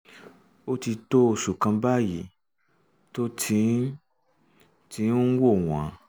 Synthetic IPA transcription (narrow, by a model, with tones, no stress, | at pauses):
o˦ti˧to˦˨ʃu˨kã˧ba˦˨ji˨ | to˦tʰi˧˦ | tĩ˧˦u˦wo˦˨w̃ã˨˦